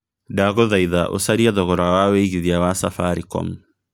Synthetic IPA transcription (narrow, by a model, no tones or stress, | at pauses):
daɣoðaiðaʔo̰saɾiaðɔɣɔɾawaweiɣiðiawasafaɾikɔ̰m